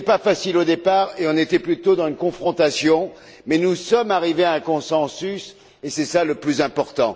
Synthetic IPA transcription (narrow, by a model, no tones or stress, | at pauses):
ɛpafasilod̪epaʁeɔ̃net̪ɛplyt̪od̪ɑ̃zynkɔ̃fχɔ̃t̪asjɔ̃ | mɛnusɔmaʁiveaɛ̃kɔ̃sɑ̃sys | esɛsaləplyzɛ̃pɔʁt̪ɑ̰̃